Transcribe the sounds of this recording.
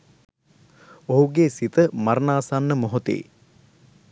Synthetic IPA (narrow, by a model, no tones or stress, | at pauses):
oɦuɡesit̪əmaɾnaːsanːəmoɦot̪ḛː